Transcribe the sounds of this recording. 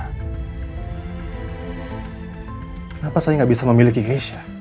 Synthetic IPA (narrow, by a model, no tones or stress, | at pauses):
kənapasajaŋɡaʔbisaməmilikiɡeʃḁ